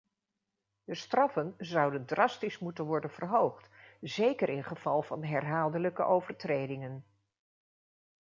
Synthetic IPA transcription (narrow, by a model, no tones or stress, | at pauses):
dəstrɑfənzɑwdəndrɑstismutənʋɔɹdənvərɦowχtzejkəɾɪnχəv̥ɑlˠvɑnɦɛrɦaːlˠdələkə̰ʔowvəɹtrejdɪŋən